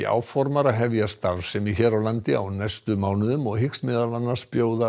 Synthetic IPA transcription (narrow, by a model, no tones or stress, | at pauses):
iʔa̰ːwfɔɾmaɾaɦɛvjast̪avɾ̥sɛmiçɛːɾawlant̪ɪawnajst̪ʏmaːwnʏðʏmɔɣɦɪksmɪðalanːḁspjoːwða